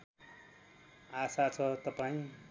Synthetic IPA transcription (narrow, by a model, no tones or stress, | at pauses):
asat͡sʰʌt̪ʌpaĩ